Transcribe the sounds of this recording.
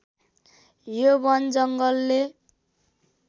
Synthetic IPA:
jobʌnd͡zʌŋɡʌlːe

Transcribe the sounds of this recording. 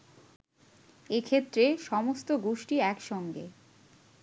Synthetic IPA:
ekʰet̪ːɾeʃɔmost̪oɡoʃʈiɛkʃɔŋɡḛ

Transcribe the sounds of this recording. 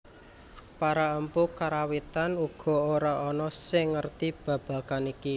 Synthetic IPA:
paɾaəmpukaɾawit̪anuɡ̥ɔ̤oɾaɔnɔsɪŋːərt̪ib̥a̤b̥ä̤kaniki

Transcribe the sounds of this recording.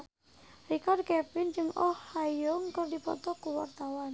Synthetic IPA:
rikard̪̚kɛpɪnd͡ʒɨŋɔhːajɔŋkərdipɔ̰t̪ɔkuwa̰rt̪awan

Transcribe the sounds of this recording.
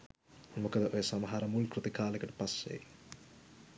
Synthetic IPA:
mukɐd̪ɐʔojɐsɐmɐɦaːɾɐmulkɾut̪ikaːlɐkɐʈu̥pɐsːḛ

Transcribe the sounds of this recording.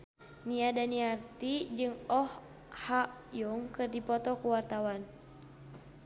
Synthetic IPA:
niadaniart̪id͡ʒɨŋɔh | haʔjuŋkɨrdipɔt̪ɔkuwart̪awan

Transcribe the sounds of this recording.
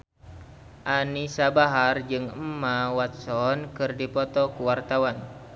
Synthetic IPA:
ʔanisabaɦard͡ʒɨŋəmːawat̪̚sɔnkɨrdipɔt̪ɔkuwart̪awan

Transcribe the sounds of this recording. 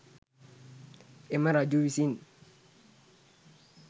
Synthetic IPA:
ɪmaɾad͡ʒuwisin

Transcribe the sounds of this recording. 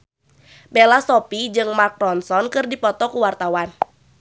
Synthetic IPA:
belasɔpid͡ʒɨŋmark̚dɔnsɔnkɨrdipɔt̪ɔkuwart̪awan

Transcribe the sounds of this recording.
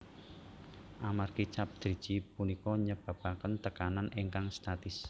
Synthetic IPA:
ʔamarkit͡ʃap̚d̪̥ɾi̥d͡ʒ̥ipunikɔɲəb̥a̤b̥akənt̪əkananiŋkaŋst̪at̪ɪs

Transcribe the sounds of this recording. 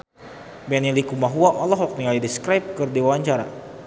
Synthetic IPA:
bɛnilikumaɦuaʔɔlɔɦwɔk̚niŋaidiskɾajp̚kɨrdiwaaɲt͡ʃaɾa̰

